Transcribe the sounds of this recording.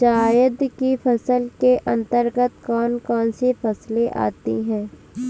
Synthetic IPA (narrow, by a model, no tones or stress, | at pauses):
d͡ʒaːjəd̪kifɐsəlkeʔɐ̃nt̪əɾɡət̪kɔːnkɔːnsefɐsleʔa̰ːt̪ḭɦɛ̃ː